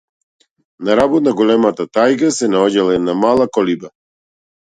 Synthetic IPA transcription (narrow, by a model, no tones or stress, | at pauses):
naɾabɔt̪̚naɡɔlɛmat̪at̪ajkasɛnaɔɟalˠaɛd̪namalˠakɔliba